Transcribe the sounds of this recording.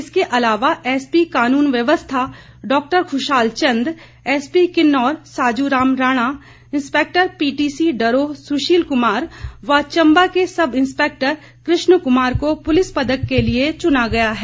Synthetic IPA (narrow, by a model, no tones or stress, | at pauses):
ɪskeʔɐlaːʋaʔɛːspikaːnuːnʋjɐʋəst̪ʰa | ɖɔːk̚ʈəɾkʰʊʃaːlt͡ʃɐ̃nd̪ | ɛːspikɪnːɔːɾsaːd͡ʒuɾaːmɾaːɽ̃a | ɪ̃nspeːk̚ʈəɾpiːʈiːsiɖɐɾosʊʃiːlkʊmaːɾʋat͡ʃɐ̃mbakesɐbɪ̃nspeːk̚ʈəɾ | kɾɪʃnəkʊmaːɾkopʊlɪspɐd̪əkːeliet͡ʃʊnaɡɐjaɦɛː